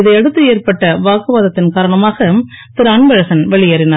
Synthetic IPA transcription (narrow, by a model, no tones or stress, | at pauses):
ɪðɐɪɛɽɯt̪ːɯeːɾpɐʈːɐʋaːkɯʋaːðɐt̪ːɪnkaːɾɐɳɐmaːɣɐt̪ɪɾɐɳʋɐɻɐsɐnʋɛɭɪjɐɾɪnaːɾ